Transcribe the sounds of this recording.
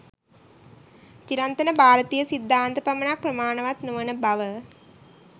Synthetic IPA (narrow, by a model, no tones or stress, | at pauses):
t͡ʃiɾant̪ɐnəbʱaːɾət̪ijəsid̪ʱːaːnt̪əpɐmənak̚prɐmaːɳəʋat̪nuʋənəbaʋə